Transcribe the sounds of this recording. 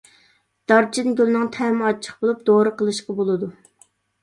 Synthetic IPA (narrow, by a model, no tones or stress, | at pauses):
d̪̥ɑɾt͡ʃʰinɡʲølnɨŋt̪ʰɛmɑt͡ʃʰːə̥χbolˠup̚d̪oɾɨqəlˠɨʃqɑbolˠɨd̪u